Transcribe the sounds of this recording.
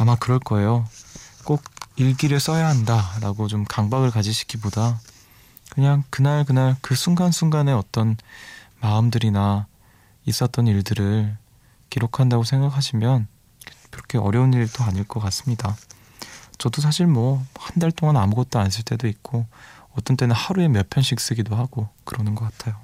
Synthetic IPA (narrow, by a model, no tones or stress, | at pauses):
amakɯɾʌɭk͈ʌe̞jok͈oɡ̚iɭɡiɾɯɭs͈ʌjaɦandaɾaɡot͡ɕomkaŋbaɡɯɭkad͡ʑiɕʰi̥k͈ʰiboda | kɯɲaŋkɯnaɭk̬ɯnaɭkɯsʰuŋɡansʰuŋɡane̞ʌt͈ʌnmaɯmdɯɾina | is͈ʌt͈ʌniɭdɯɾɯɭ | kiɾokʰandaɡosʰe̞ŋɡakʰaɕʰimjʌn | kkɯɾʌkʰe̞ʌ̰ɾjʌuniɾit͈ʰoaɲiɭk͈ʌk͈as͈ɯmɲida | t͡ɕʌdos̬ʰaɕʰiɭmwʌhandaɭt͈oŋanamuɡʌt̚t͈oans̬͈ɯɭt͈e̞doit̚k͈oʌt͈ʌnt͈e̞nɯnhaɾue̞mjʌpʰjʌnɕʰik̚s͈ɯɡidohaɡokɯɾʌnɯnɡʌk͈atʰajo